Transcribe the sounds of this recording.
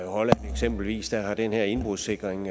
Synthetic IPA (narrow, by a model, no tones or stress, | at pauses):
hɒlæneɡ̥sem̰b̥l̩ʋḭːsd̥æhɑ̈d̥enheɐ̰e̝nb̥ʁuðˠse̝ɡ̥ʁeŋ